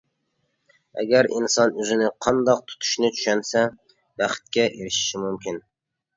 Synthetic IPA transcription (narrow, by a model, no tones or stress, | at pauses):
æ̰ɡʲæɾḭnsɑnøzɪnɪqʰɒnd̪ɑq̚t̪ʰʊ̥t̪ʰʊ̥ʃnɪt̪ʰy̥ʃɛnsɛ | bæχt̪̚kʲɛʔeɾɪʃɪ̥ʃɪmumkʲɪn